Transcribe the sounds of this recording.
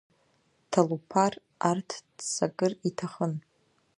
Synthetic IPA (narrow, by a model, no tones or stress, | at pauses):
tʰalupʰar | artʰd̥sakʼɨritʰaχən